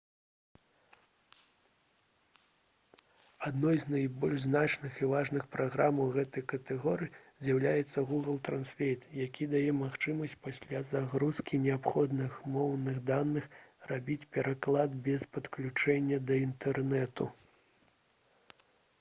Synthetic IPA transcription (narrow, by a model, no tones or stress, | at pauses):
ad̪nɔjzʲnajbɔlʲʐznat͡ʂnɨxivaʐnɨxpɾʔaɣɾamɐwɣɛt̪ɐjkɐt̪ɛɣɔɾɨjizʲjawlʲajɛt̪sːɐɣuɣɨlˠt̪ɾansfʲejt̪jakʲid̪ajɛmaxt͡ʂɨmɐsʲt͡sʲpasʲlʲazaɣɾuskʲinʲɛapxɔd̪nɨxmɔwnɨɣd̪anːɨxrabʲit͡sʲpʲɛɾaklˠad̪̚bʲɛspɐt̪klʲut͡ʂɛnʲːɐd̪ɐint̪ɛrnɛt̪ṵ